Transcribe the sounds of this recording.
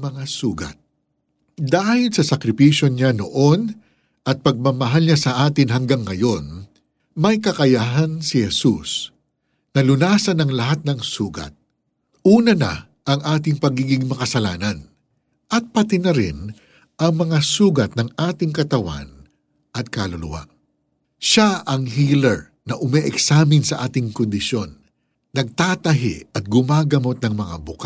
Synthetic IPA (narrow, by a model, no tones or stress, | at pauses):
mɐŋasuːɡɐ̰t̪̚ | d̪aːhɪlsɐsɐkɾɪpiːʃjo̞ɲanoʔo̞n | ʔɐt̪̚pɐɡ̚mɐmɐɦalɲasɐʔaːt̪ɪnɦɐŋɡaŋːɐjo̞n | mɐjkɐkɐjaɦansɪhɛsṵs | nɐlʊnaːsɐnɐŋlɐɦat̪̚nɐŋsuːɡɐ̰t̪̚ | ʔuːnɐnɐ̰ | ʔɐŋʔaːt̪̬ɪŋpɐɡiːɡɪŋmɐkɐsɐlaːnɐn | ʔɐt̪̚pɐt̪ɪnɐɾɪ̰n | ʔɐŋmɐŋasuːɡɐt̪̚nɐŋʔaːt̪ɪŋkɐt̪ɐwa̰n | ʔɐt̪̚kaːlʊlʊ̰wa̰ʔ | ʃaʔɐŋɦiːlɛɹ | nɐʔʊmɛʔɛksaːmɪnsɐʔaːt̪ɪŋkʊnd̪ɪʃjo̞nː | ɐɡ̚t̪aːt̪ɐɦɪ̰ɐt̪̚ɡʊmaːɡɐmo̞t̪̚nɐŋmɐŋa̰bʊka